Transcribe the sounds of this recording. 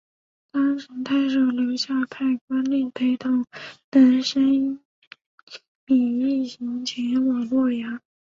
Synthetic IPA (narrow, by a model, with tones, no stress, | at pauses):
t̪ɑ˥ŋʂə˧˥ŋt̪ʰa˥˩ɪʂo˥˩ʊljo˧˥ʊɕja˥˧pʰa˥˩ɪkwa˥nli˥˩pʰe˧˥ɪt̪ʊ˥˩ʊŋna˧˥nʂə˥n | pi˨˩i˥˩ɕi˧˥ŋt͡ɕʰɛ˧˥nwɔ˨˩lwɔ˥˩ja˧˥